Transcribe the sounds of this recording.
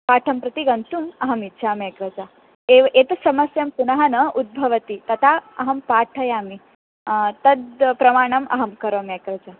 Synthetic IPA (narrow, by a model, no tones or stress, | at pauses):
paːʈʰɐmpɾɐt̪iɡɐnt̪umɐɦɐmitːʃʰaːmeːkɾɐd͡ʒa | eːʋʔeːt̪ɐsɐmɐsjɐmpunɐɦɐnɐʔud̪̚bʱɐʋɐt̪it̪ɐt̪ʰaːɐɦɐmpaːʈʰɐjaːmi | t̪ɐd̪pɾɐmaːɳɐmɐ̰ɦɐmkɐɾʋomeːkɾɐd͡ʒa